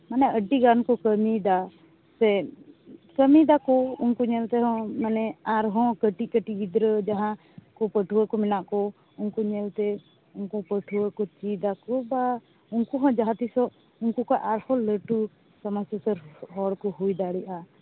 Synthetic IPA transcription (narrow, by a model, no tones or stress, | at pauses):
manɛəɖiɡankɔkəmid̪a | sɛ | kəmid̪akɔunkuɲɛlt̪ɛɦɔ̃manɛaɾɦɔ̃kəʈikəʈiɡid̪ɾəd͡ʒaɦã | kɔpəʈʰuəkɔmɛnaʔkɔ | uŋkuɲɛlt̪ɛ | uŋkupəʈʰuwəkɔt͡ʃid̪akɔba | unkuɦɔ̃d͡ʒaɦãt̪isɔʔ | uŋkukaʔaɾhɔ̃ləʈu | səmasasəɾɦɔɽkɔɦujd̪aɽiʔa